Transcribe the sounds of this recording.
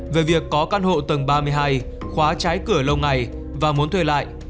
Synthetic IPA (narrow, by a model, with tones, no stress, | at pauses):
ve˨˩vi˨˩əkːɔ˨˦kaː˧nho̰˧˨t̪ə˨˩ŋɓaː˧mɨ˧əjɦaː˧j | xwaː˨˦t͡ɕaː˨˦jkɨ˧˩ələ˧wŋa˨˩j | vaː˨˩mu˨˦ənt̪ʰwe˧la̰ː˧˨jʔ